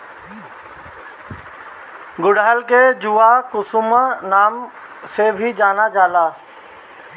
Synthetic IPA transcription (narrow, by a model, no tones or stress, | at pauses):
ɡʊɽɦəlked͡ʒuakʊsʊmənaːm | sebʱid͡ʒaːnad͡ʒaːlaː